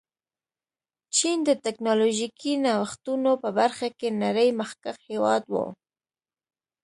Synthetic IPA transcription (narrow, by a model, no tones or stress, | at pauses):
t͡ʃind̪ət̪ɛknɑloʒikʰinɑwəxt̪unopəbaɾxakenaɾəjmaxkaxhewɑ̰d̪wo̰